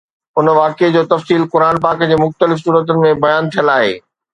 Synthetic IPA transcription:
ʊnʋaːked͡ʑoːt̪ɐfsiːlkʊɾaːnp̬aːkd͡ʑeːmʊxt̪əlɪfsuːɾət̪̬ʊnɪ̆mẽbɐjaːnt̪ʰijəlaːɦḛː

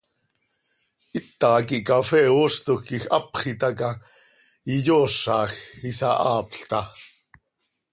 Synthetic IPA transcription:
ʔit̪ːɑkiʔkafɛːost̪okixʔɑpχit̪ɑkɑ | ijoːʂːɑːxisɑʔɑːpɬt̪ɑ

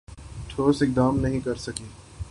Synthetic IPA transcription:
ʈʰoːsɪk̚d̪aːmnɐɦĩkɐɾsɐkiː

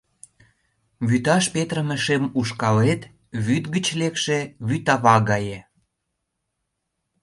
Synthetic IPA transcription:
βyt̪ɑʃpet̪rəməʃemuʃkɑlet̪ | βyt̪ɡət͡ɕlekʃeβyt̪ɑβɑɣɑje

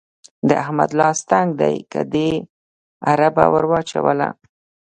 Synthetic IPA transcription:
d̪əahmad̪lɑst̪aŋɡ̚d̪ajkad̪e | aɾaba̰wəɾwɑt͡ʃawəla

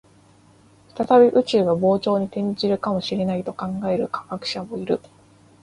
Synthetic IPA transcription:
ɸɯ̥t̪at̪abʲiʔɯ̟t͡ɕɨːɡabo̞ːt͡ɕo̞ːɲ̟it̪ẽ̞ɲ̟d͡ʑiɾɯ̟kamo̞ɕiɾe̞nait̪o̞kãŋɡae̞ɾɯ̟kḁkakɯ̟̥ɕamo̞iɾɯ̟

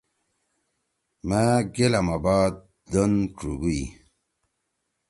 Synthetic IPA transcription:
maɡelamabaːd̪̚ | d̪onʈ͡ʂuɡui

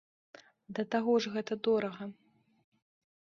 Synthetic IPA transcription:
d̪ɐt̪aɣɔʐɣɛt̪ɐd̪ɔɾɐɣɐ

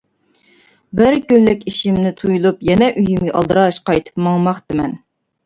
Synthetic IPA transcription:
bɪɾkʲylːɪkʲiʃimnɪt̪ʰujulˠupjɛnɛʔyjimɡʲiʔɑ̰lˠd̪ɨɾɑʃqʰɑjt̪ʰɨ̥pmɑŋmɑχd̪ɨmɛn

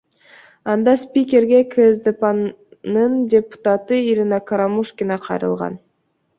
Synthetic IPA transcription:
ɑnd̪ɑspʲikʲe̞ɾɡe̞kʰəzd̪epan | nɯndʲepu̥t̪at̪ɯiɾinakaɾamuʃkʲinɑqʰɑjɾɯ̰lˠʁɑ̰n

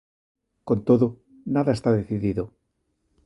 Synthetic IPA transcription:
kont̪oðo | naðaest̪aðeθiðiðo

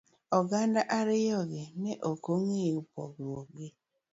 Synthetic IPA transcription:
ɔɡandaʔaɾɪjɔɡɪneʔokoŋeupɔ̰ɡwɔɡ͡bɪ

